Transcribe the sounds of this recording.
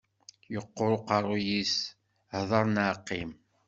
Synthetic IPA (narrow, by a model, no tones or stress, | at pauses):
jəqːoɾoqɑrˤujis | hðˤɑɾˤnʕqːim